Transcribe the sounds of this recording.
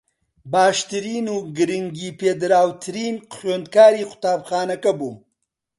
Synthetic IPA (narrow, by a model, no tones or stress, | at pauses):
baːʃt̪ɨɾiːnuːɡɨɾɨŋɡiːpʰeːd̪ɨɾaːwt̪ʰɨɾiːnχeːnd̪̚kaːɾiːqʊ̥t̪aːbxaːnɐkɐbuː